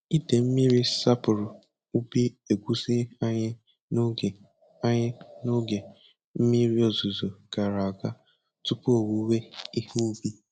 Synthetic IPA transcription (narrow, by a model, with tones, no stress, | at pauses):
i˦de˨m̩˦mi˦ɾi˦sa˦pʊ˨ɾʊ˨ | u˦bi˦e˨ɡʷu˦zi˦a˦ɲɪ˦ | n˦˨ | a˦ɲɪ˦no˦ɡe˨ | m̩˦mi˦ɾi˦o˨zu˨zo˨ɡ̥a˨ɾa˨ɡa˦ | tʊ˦pu˦o˨wu˨˦we˦i˦hu˦u˦bi˦